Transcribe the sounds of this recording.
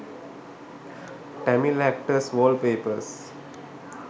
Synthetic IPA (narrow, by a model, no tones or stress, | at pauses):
ʈɛmilæk̚ʈəsʋoːlpeːpəɾs